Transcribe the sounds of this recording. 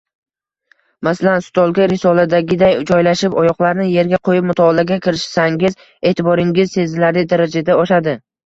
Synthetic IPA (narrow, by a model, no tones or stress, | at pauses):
masalansʊ̥t̪ʰɒlˠɡʲaɾɪsɒlad̪aɡʲɪd̪ajd͡ʒɒjlaʃɪpɒjɒqlˠaɾnɪje̞ɾɡʲaqʰojɪp̚mʊt̪ʰɒɒlaɡʲakʲʰɪɾɪʃsaŋɡʲɪz | e̞ːt̪ʰɪbɒɾɪŋʲɪzse̞zɪlaɾɪd̪aɾad͡ʒad̪aɒʃad̪ɪ